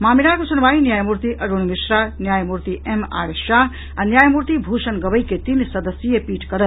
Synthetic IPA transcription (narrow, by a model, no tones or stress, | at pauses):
maːminaɾkosunbaːinjaːjmuɾt̪iʔʔɐɾunmisɾanjaːjmuɾt̪iʔema̰ɾʃaɦ | anjaːjmuɾt̪ibʱuʃənɡɐbəjket̪insɐd̪əsijepiːʈkɐɾət̪